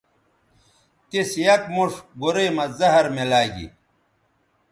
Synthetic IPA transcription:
t̪isjɐkmuʂɡuɾeːmɐzɐɦɐɾmelaːɡḭ

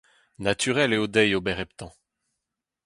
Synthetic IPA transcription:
nat̪ʰyʁɛleod̪ɛjobɛʁɛpt̪ɑ̃

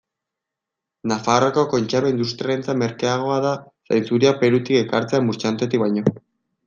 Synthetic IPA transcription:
nafaroko̞ko̞nt͡ʃaβeind̪ust̪ɾjaent͡same̞ɾkeaɣ̞o̞aða | sajnt͡suɾiape̞ɾut̪ike̞kaɾt͡se̞amuɾt͡ʃant̪et̪ik̚βajɲo̞

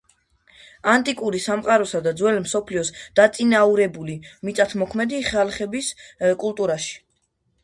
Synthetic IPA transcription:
ant̪ʼikʼuɾisamqʼaɾɔsad̪ad̪zwɛlmsɔpʰliɔsd̪̥at̪sʼinauɾɛbulimit̪sʼat̪ʰmɔkʰmɛd̪iχɛlχɛbiskʼulˠt̪ʼuɾaʃi̥

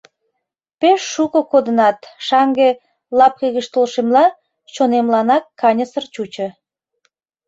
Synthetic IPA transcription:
peʃːukokod̪ənɑt̪ʃɑŋɡe | lɑp̚keɣəʃt̪olʃemlɑ | ʃonemlɑnɑkːɑnʲəsərt͡ɕut͡ɕə̆

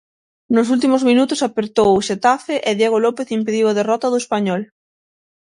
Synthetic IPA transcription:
nʊs̬ult̪̬imozmĩnut̪ʊsapeɾt̪owoʃet̪afeʔeðjeɣolɔpeθimpeðiwaðerɔt̪aðoespaɲɔl

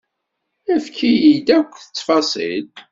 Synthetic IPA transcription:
æfkijid̪ækʷːθə̥t͡sːfɑsˤḭl

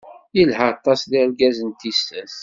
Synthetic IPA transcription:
jilhəɾɑt̪ˤːɑsðiɾɡæzənt̪ist̪æθ

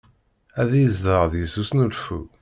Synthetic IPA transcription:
æðjəzðəʁðjəsusnulfṵ

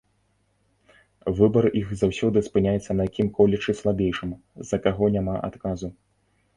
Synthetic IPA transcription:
vɨbɐɾʔixzawsʲɔd̪ɨspɨnʲajɛt̪sːɐnɐjakʲimkɔlʲɛt͡ʂɨslˠabʲejʂɨm | zɐkaɣɔnʲamaʔa̰t̪kazu

